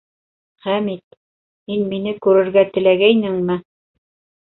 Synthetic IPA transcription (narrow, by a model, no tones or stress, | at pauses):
χæmit̪̚ | hinminɘkʉɾɘ̆ɾɡæt̪ɘ̆læɡæjnɘŋmɘ